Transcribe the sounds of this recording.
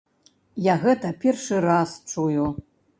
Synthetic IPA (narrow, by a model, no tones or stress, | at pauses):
jaɣɛt̪ɐpʲɛrʂɨɾast͡ʂuju